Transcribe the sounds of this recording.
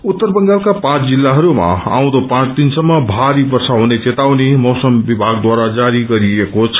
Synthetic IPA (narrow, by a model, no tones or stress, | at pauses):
ut̪ːʌrbʌŋɡalkapãt͡sd͡zilːaɦʌɾuma̰a̰w̃d̪opãt͡st̪insʌmːʌbʱaɾibʌrsaɦunet͡set̪awnemʌwsʌmbibʱaɡd̪waɾad͡zaɾiɡʌɾiekot͡sʰ